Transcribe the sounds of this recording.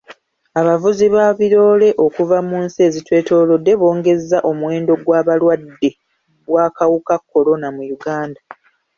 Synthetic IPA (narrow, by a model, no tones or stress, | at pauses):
aβavuziβaːβiɾo̞ːle̞ʔo̞kuvamuːnsie̞zitwe̞ːto̞ːlo̞dːe̞βo̞ːŋɡe̞zːaʔo̞mwe̞ːndo̞ɡwaːβalwadːe̞ | βwaːkawukakːo̞lo̞namujuɡaːnda